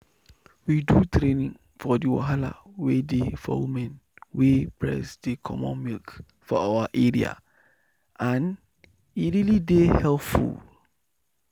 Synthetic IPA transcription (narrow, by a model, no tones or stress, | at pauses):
widutʰɾenĩŋ | fɔdiwa̰ɦala̰wedefɔ̰wumɛ̃nwepʰɹɛ̰sdikʰɔmɔ̰̃nmilk | fɔawaʔeɹia̰ | ãn | iɾilidehɛlpfṵl